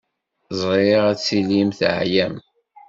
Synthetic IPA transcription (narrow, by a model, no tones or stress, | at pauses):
zˤɾeʁæt͡sːilimθʕjæm